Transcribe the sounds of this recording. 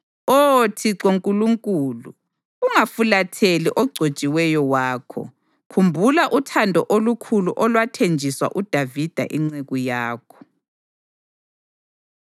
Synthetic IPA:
otʰiǀoŋkʼuluŋkʼuːluː | ŋafulatʰeliʔɔɡ͡ǀʱot͡ʃʼiwɛjɔwaːkʰɔ̰ | kʰumbʱulaʔutʰandʱɔʔolukʰuluʔɔlwatʰend͡ʒʱiswa̰ʔud̥ʱavid̥ʱa̰ʔiŋ͡ǀeɣujaːkʰɔ̥

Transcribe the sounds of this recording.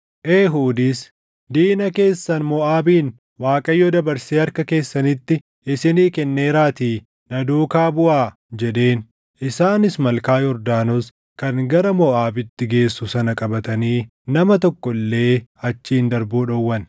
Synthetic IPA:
ʔeːɦuːd̪iːs | d̪iːnɐke̞ːsːɐnmɔaːbiːn | waːkʼɐjːɔːd̪ɐbɐɾseːɐɾkɐke̞ːsːɐnɪt̪ːɪ | ɪsɪniːkɛnːeːɾaːt̪iː | nɐd̪uːkaːbʊʔaː | d͡ʒɛᶑe̞ːn | ʔɪsaːnɪsmɐlkaːjɔɾd̪aːnɔs | kɐnɡɐɾɐmɔʔaːbɪt̪ːɪɡe̞ːsːʊsɐnɐkʼɐbɐt̪ɐniː | nɐmɐt̪ɔkːɔlːe̞ːɐt͡ʃːiːnd̪ɐɾbuːᶑɔwːɐn

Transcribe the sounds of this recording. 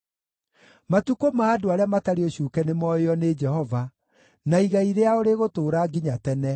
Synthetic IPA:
matukomaːdoaɾeamataɾeoɕuːkɛnemɔeɔned͡ʒɛhɔva | naiɣaiɾeaoɾeɣotoːɾaɡiɲatɛnɛ

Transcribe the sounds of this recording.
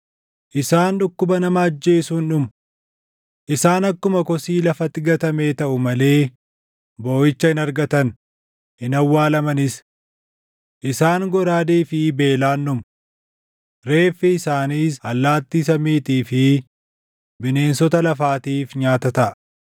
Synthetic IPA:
ʔɪsaːnᶑʊkːʊbɐnɐmɐɐd͡ʒːe̞ːsuːnᶑʊmʊ | ʔɪsaːnɐkːʊmɐkɔsiːlɐfɐt̪ːɪɡɐt̪ɐmeːt̪ɐʔʊmɐle̞ː | bo̞ːjɪt͡ʃːɐɪnɐɾɡɐt̪ɐn | ɪnɐwːaːlɐmɐnɪs | ʔɪsaːŋɡɔɾaːd̪iːfɪbe̞ːlaːnːʊm | ɾe̞ːfːɪɪsaːniːsɐlːaːt̪ːiːs̬ɐmiːt̪iːfɪ | bɪne̞ːnsɔt̪ɐlɐfaːt̪iːfɲaːt̪ɐt̪ɐʔɐ̥

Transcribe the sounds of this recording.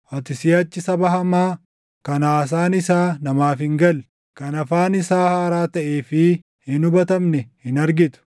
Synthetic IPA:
ʔɐt̪ɪsɪjɐt͡ʃːɪsɐbɐɦɐmaː | kɐnaːs̬aːnɪsaːnɐmaːfɪŋɡɐl | kɐnɐfaːnɪsaːhaːɾaːt̪ɐʔeːfɪ | hɪnʊbɐt̪ɐmnɛhɪnɐɾɡɪt̪ʊ̥

